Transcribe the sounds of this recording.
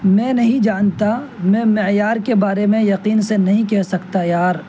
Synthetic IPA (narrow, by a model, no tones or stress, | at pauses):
mɛ̃ːnɐɦĩd͡ʒaːnt̪amɛ̃ːmɪjaːɾkebaːɾemẽjɐqiːnsenɐɦĩkɛɦsɐkt̪ajaːɾ